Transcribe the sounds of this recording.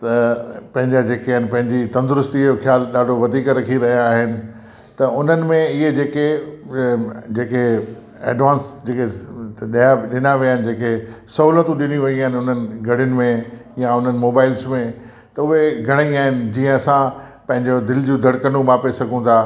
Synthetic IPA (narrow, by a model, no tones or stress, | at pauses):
t̪ɐpɐ̃ɦɪ̃ɲd͡ʑad͡ʑeːkeanɪ̆pɐ̃ɦɪ̃ɲd͡ʑit̪ɐ̃nd̪ʊɾʊst̪ijoxjaːlɗaːɖʱoʋɐd̪ʱiːkɾɐkʰiɾɐɦijaːɦɪnɪ̆ | t̪ɐʊn̤ənɪ̆mẽɪɦed͡ʑeːke | d͡ʑeːke | ḛːɖʋãːnsd͡ʑeːkeɗijaɗɪnaʋijaːɦɪnɪ̆d͡ʑeːkesɐɦuːlət̪ũɗɪniʋɐiaːɦɪnɪʊn̤ənɪ̆ɡʱɐɽ̤ɪʊnɪ̆mẽjaʊn̤ənɪ̆moːbaːɪlsmẽ | t̪ɐʊɦeɡʱɐɽ̃aiaːɦɪnɪ̆d͡ʑiːə̃ɐsã | pɐ̃ɦɪ̃ɲd͡ʑod̪ɪld͡ʑũd̪ʱɐɽkənũmãpesɐɡũt̪ʰaː